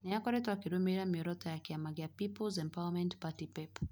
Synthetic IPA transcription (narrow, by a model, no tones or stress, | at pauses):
nɛakɔɾɛtwakiɾumiɾamiɔɾɔtajakiamaɡiapipɔlzɛmpawamɛntpatipɛp